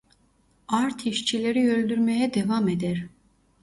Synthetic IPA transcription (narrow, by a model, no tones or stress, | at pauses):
aɾt̪ʰiʃt͡ʃʰilʲeɾiølʲd̪yɾmejɛd̪evamed̪æɾ̥